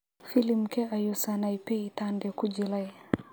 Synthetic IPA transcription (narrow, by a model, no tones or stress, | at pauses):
filimkɛʔajusanaipɛitandɛkud͡ʒilaj